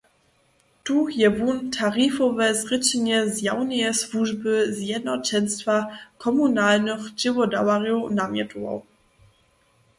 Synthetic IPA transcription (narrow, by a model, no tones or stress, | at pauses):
tujɛvuntʰaɾifɔvɛzʁɘt͡ɕɛɲɛzjawnɛjɛsluʒbɘzjɛd̪nɔt͡ɕɛnʲst̪fakʰɔmunalnɨxd͡ʑɪvɔda̰warjunamʲjɛtuwɔ̰w